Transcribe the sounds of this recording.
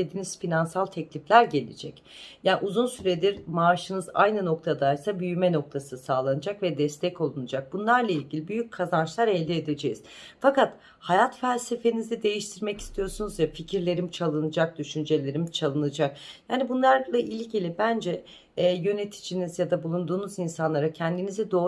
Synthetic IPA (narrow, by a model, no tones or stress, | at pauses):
ed̪iːnizfinansalˠt̪ʰɛclʲiflʲæɾɟe̞lʲḭd͡ʒɛc | jaːʔuzunsyɾed̪iɾmaːʃɯnɯza̰jnɯno̞k̚t̪ʰad̪ajsabyjymɛno̞k̚t̪ʰasɯsaːlˠanɯd͡ʒakvɛd̪ɛst̪ʰɛco̞lˠunɯd͡ʒak̚bunlˠaɾlˠailʲɟʲilʲibyjyc̚kʰːazant͡ʃlˠaɾɛlʲd̪ied̪e̞d͡ʒejiz̥fakat̪ | hajat̪fælʲse̞fe̞nizɛd̪e̞jiʃt̪ʰiɾmɛci̥st̪ʰijo̞ɾsunuzvɛficʰiɾlʲe̞ɾimt͡ʃʰalˠɯnɯd͡ʒak̚d̪yʃynd͡ʒe̞lʲe̞ɾimt͡ʃʰalˠɯnɯd͡ʒak̚jaːnibunlˠaɾlˠaʔilʲɟilʲibænd͡ʒɛː | jø̞ne̞t̪ʰi̥d͡ʒinizjad̪abulˠund̪uːnuzinsanlˠaɾacʰɛnd̪inizɛd̪o̞ː